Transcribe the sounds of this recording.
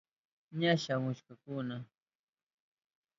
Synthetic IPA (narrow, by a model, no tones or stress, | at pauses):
ɲaʃamʊʃkakʊna